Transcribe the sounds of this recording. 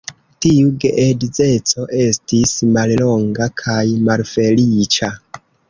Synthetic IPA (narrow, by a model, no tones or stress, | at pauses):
tiuɡeʔedize̞t͡so̞ʔe̞stismallo̞ŋɡakʰajmalfe̞lit͡ʃa